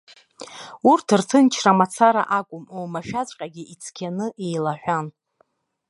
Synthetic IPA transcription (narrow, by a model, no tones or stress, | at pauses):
urtʰɨrtʰɨnt͡ʃʰramat͡sʰaɾa̰ʔakʷʼʊmomaʃᶣat͡sʷʼqʲʼaɡʲɪʔit͡sʰkʲʰanɨʔejlaħʷᶣan